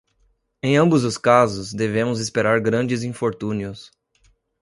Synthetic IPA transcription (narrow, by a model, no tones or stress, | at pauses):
ẽj̃ɐ̃mbʊzʊskazʊzd̪evẽmʊzespeɾaɾɡɾɐ̃nd͡ʒɪzĩfoɾt̪ũniʊs